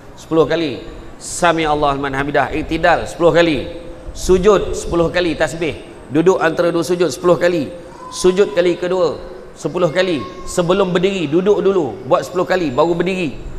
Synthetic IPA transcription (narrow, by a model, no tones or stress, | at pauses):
sə̥pulʊhkali | samĩalːalmãnɦamidahʔiʔt̪idalsə̥pulʊhkalisud͡ʒʊt̪̚sə̥pulʊhkalit̪asbɪh | dudʊʔant̪aɾaduəsud͡ʒʊt̪̚sə̥pulʊhkali | sud͡ʒʊt̪̚kalikəduə | səpulʊhkalisəbəlʊmbədiɾidudʊʔdulubuat̪̚səpulʊhkalibaɣubədiɾi